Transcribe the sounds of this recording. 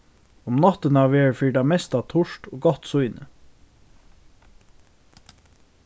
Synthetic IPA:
ʊmnɑt̪ənɑːʋeːɹfiːɖɑmɛst̪ɑːt̪ʰʊʃʈoːɡɑt̪sʊʏnə

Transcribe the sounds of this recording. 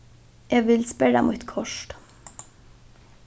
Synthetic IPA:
jæʋɪlspɛɾɑ̰mʔut̪kʰɔʃʈ

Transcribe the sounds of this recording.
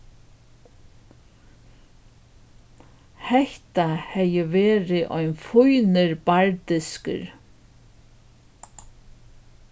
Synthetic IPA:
hɛht̪ahɛjəʋɛːɾɪʔɔjnfʊjnɪɾbaɹt̪ɪskə̰ɾ

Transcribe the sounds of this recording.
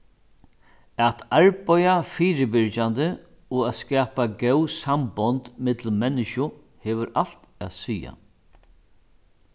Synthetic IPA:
at̪ʰaɹpɔjafiːɾɪbɪɾt͡ʃand̪ə | ɔaːskɛːpaɡɛwsambɔnt̪mɪt̪l̩mɛnːɪʃʊ | hɛːʋʏɾal̥t̪ɛ̰ːðsiːa̰

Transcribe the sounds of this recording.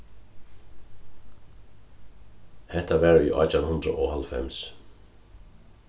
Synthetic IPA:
hɛht̪aʋɛːɹḭʔa̰t͡ʃanhʊnd̪ɾə̰ʔɔːhalfɛ̰ms

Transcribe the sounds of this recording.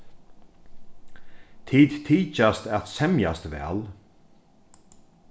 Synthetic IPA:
t̪ʰiːd̪t̪ʰiːt͡ʃast̪at̪sɛmjast̪vɛ̰ːl

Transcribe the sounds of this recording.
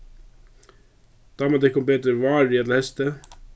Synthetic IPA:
d̪̥ɑːmɑd̪ɛkɔmbeːt̪əɾʋɑːɾɪjɛt̪lɑhɛst̪ə

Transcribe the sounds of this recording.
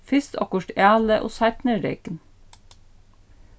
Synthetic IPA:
fɪst̪ʰɑ̰kʊʃʈæːləʔo̰ːsæɪt̪nəɾḛɪkən

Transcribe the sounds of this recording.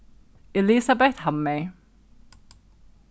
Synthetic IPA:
ɪlisabɛθhamːe

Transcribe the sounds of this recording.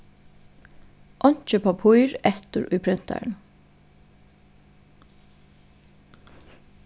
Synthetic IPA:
ʔɔɲ̥t͡ʃəpʰapʰujɾɛht̪ʏɾʊ̰jpʰɾɪn̥t̪a̰ɹn

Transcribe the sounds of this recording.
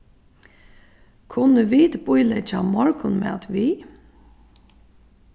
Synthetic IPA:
kʰʊnəʋit̪bʊjlɛt͡ʃamɔɹkʊnmɛ̰a̰t̪ʋiː

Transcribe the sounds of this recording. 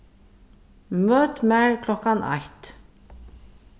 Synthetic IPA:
møːt̪mæɹkʰlɔkanʔɑ̰jt̪

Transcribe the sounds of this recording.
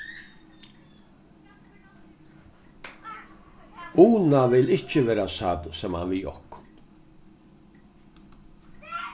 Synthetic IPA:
uːnaʋɪlɪt͡ʃəʋɛːɾasad̪sɛmha̰nʋiːɔ̰hkʊ̥n

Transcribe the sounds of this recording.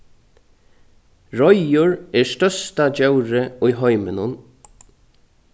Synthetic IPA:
ɹɔjʊɹɛːɹst̪œst̪ad͡ʒɛwɾəʊjɦɔʏmɪnʊn

